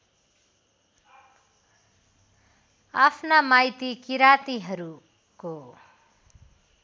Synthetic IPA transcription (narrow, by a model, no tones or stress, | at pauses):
apʰnamajt̪ikiɾat̪iɦʌɾu | ko